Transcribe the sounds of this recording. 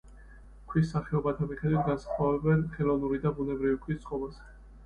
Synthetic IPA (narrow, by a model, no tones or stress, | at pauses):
kʰwisːaχɛɔbat̪ʰamiχɛd̪wit̪ʰɡansḁχwavɛbɛnχɛlˠɔvnuɾid̪abunɛbɾivikʰwist̪sʼqʼɔbazɛ̥